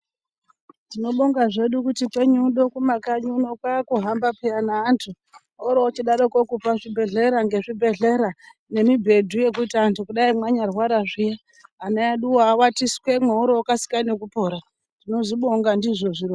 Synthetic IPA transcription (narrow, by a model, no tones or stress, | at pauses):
tino̞ɓo̞ŋɡaʐe̞ɗukutipwe̞ɲuɗo̞kumakaɲunokwakuɦambapeanaːntʰu | ɦoɾoːt͡ʃiɗaɾoko̞kupaʐibʱe̞ɮe̞ɾaŋɡeʐibʱe̞ɮe̞ɾa | ne̞mibʱe̞dʱuje̞k̬uitaːntukuɗaimwaɲarwaɾaʐija | anaeɗuwawatiswe̞mweoɾookasi̥kanek̬upo̞ɾa | tino̞ʐiɓo̞ŋɡandiʐo̞ʐiɾo